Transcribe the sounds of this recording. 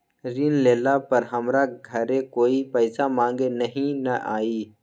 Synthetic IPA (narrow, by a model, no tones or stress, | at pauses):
ɾiːnleːlapɐɾɦɐmɾaɡʱɐɾẽkoːipɛɪsamãːŋɡenɐɦĩnɐʔa̰ːiː